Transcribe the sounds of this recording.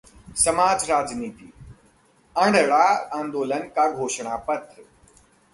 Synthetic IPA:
sɐmaːd͡ʒɾaːd͡ʒniːt̪iː | ə̃ɳɖəɭaãːnd̪oːlənkaɡʱoːʃɳ̃apɐt̪ɾ

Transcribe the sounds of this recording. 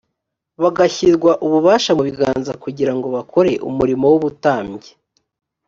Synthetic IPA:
βaɡaçiɾɡwaʔuβuβaːʃamuβiɡa̰ːnzakuɟiɾaŋɡo̞βakʰo̞ɾe̞ʔṵmuɾimo̞wuβutaːmɟe

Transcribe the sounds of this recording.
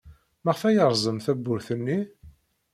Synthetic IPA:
məʁfæjəɾˤzˤəmθæbːʊɾθənːi

